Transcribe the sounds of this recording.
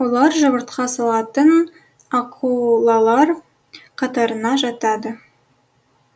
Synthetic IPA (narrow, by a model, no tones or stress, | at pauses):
wo̞lˠɑɾʒɑβəɾt̪qɑsɑlˠɑt̪ən | ɑqʰulˠɑlˠɑɾ | qʰɑt̪ɑɾənɑʒɑt̪ɑd̪ə